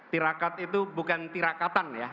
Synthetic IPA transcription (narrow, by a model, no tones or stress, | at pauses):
t̪iɾakat̪̚it̪ubukant̪iɾakat̪anja